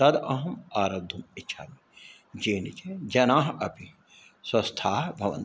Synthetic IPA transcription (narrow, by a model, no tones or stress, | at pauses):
t̪ɐd̪ɐɦɐmaːɾɐd̪ʱːumiːʃʰa̰ːmi | d͡ʒeːnit͡ʃed͡ʒɐnaːɦɐpi | swɐst̪ʰaːbʱɐʋɐ̰n